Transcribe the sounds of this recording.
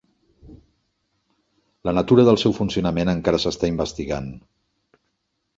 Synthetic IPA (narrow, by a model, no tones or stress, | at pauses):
lənət̪uɾəðəlˠsɛwfunsiunəmenəŋkaɾəsəst̪aimbəst̪iɣan